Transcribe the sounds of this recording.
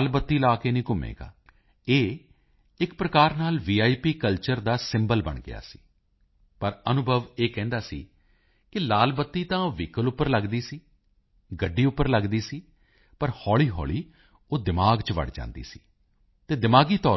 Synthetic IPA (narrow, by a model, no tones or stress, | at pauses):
lbət̪ːiːlaːkeːnĩːkʊmḛːɡa̰ː | eː | ɪkpɾəkaːɾnaːlʋiːaːipiːkəlt͡ʃəɾd̪aːsɪ̃mbəlbə̰ɳɡɪ̰a̰ːsi̥ː | pəɾənʊbʱəʋeːkɛ̃ːnd̪aːsḭː | kɪlaːlbət̪ːiːt̪ãːʋiːkəlʊpːəɾləɡd̪iːsiː | ɡəɖːiːʊpːəɾləɡd̪iːsiː | pəɾhɔːɭiːɦɔ̰ːɭiː | oːd̪ɪmaːɡt͡ʃʋə̰ɽd͡ʒã̰ːnd̪ḭːsi̥ː | t̪eːd̪ɪmaːɡiːt̪ɔː